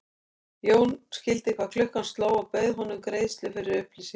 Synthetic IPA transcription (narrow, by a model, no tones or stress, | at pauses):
joːwnscɪlt̪ɪkʰvaðkʰlʏhkanst̪laːwawpœjðɦɔnːʏmkɾejðst̪lɪfɪɾɪɾʏhplisɪŋ